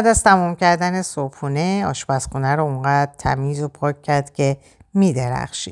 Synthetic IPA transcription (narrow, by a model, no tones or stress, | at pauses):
æd̪æzt̪ʰæmumcæɾd̪æne̞sopʰuːne̞ɒːʃbæsxunæɾouŋɡæːd̪̥̚t̪ʰæ̰miːzopʰɒːcʰʲːæɾd̪̥cʰʲe̞ | miːd̪eɾæ̰xʃḭ